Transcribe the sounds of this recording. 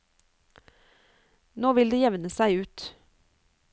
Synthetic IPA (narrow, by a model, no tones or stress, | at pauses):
noːʋɪld̪eːjɛʋnəsæɪʉːt̪